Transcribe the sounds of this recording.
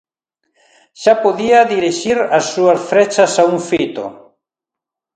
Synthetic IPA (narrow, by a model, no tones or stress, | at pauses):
ʃapoðiaðiɾiʃiɾasːuasfɾet͡ʃasauŋfit̪o̰